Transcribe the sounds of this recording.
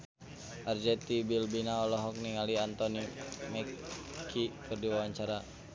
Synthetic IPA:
ʔard͡ʒɛt̪ibilbinaɔlɔɦɔk̚niŋaliant̪ɔnimɛkkʰikʰɨrdiwawaɲt͡ʃaɾa

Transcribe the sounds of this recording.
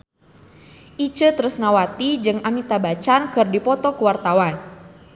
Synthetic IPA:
ʔit͡ʃət̪əɾəsnawat̪id͡ʒɨŋamit̪abat͡ʃankɨrdipɔt̪ɔkəwart̪awan

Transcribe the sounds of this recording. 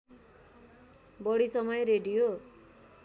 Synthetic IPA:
bʌɽisʌmʌjeɾeɖijo

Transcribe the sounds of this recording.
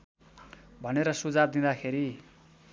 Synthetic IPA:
bʱʌneɾʌsud͡zab̚d̪ĩd̪akʰeɾi

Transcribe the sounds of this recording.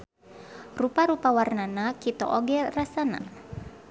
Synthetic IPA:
rupaɾupawarnanakit̪o̰ʔoɡɛrasana̰

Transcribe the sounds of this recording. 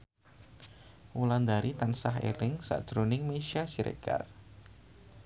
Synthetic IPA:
wuland̪aɾit̪ansaɦḛlɪŋsa̰ʔd̥ʒ̥ɾunɪŋmeʃiasiɾḛka̰r

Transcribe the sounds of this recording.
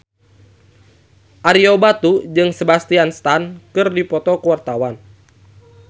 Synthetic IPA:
ʔaɾiobat̪ud͡ʒɨŋsəbast̪ianst̪ankɨrdipɔt̪ɔkəwart̪awan

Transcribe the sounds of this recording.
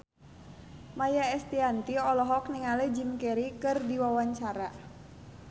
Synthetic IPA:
majaɛst̪iant̪iɔlɔɦɔk̚niŋalɛd͡ʒimkɛɾikɨrdiwawaɲt͡ʃaɾa

